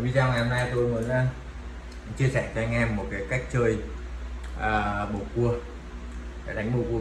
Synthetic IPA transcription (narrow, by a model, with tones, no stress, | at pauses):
vi˧zaː˧wŋa˨˩ho˧mnaː˧jt̪o˧jməː˨˦nla˧ | t͡ɕi˧əsɛː˧˩t͡ɕɔ˧ŋɛ˧mːo˨˩t̚kaː˨˦jka˦˥jk̟̚t͡ɕəː˧j | ʔəː˨˩ɓo˨˩ku˧ə | a̰˧˩ɗa˨˦jŋ̟ɓo˧˩ku˧ə